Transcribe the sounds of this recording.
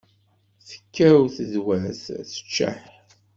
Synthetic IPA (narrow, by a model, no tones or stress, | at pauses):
θə̥kʰːæwθəðwæθθə̥t͡ʃːa̰ħ